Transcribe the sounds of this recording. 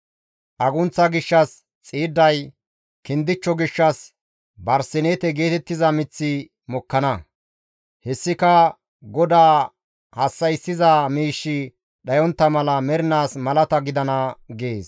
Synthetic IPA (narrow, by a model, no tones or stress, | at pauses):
ʔɐɡʊnt͡sːɐɡɪʃːɐs | t͡sʼiːd̪ːɐj | kɪnd̪ɪt͡ʃːɔɡɪʃːɐs | bɐɾsɪnet̪ɛɡe̞ːt̪ɛt̪ːɪzɐmɪt͡sːɪ | mɔkːɐnɐ | hɛsːɪkɐ | ɡɔd̪aː | hɐsːɐjsːɪzɐmiːʃːɪ | ɗɐjɔnt̪ːɐmɐlɐmɛɾɪnaːsmɐlɐt̪ɐɡɪd̪ɐnɐɡeːs